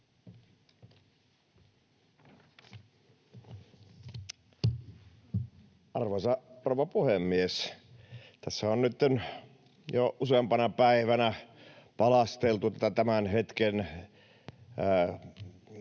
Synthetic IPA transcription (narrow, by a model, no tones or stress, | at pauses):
ʔɑrʋosɑroːʋɑpuhemːies | t̪æsːæonnyt̪ːen | joʔusempɑnɑpæiʋænæpɑlɑst̪elt̪ut̪æt̪ːæt̪æmænhet̪ken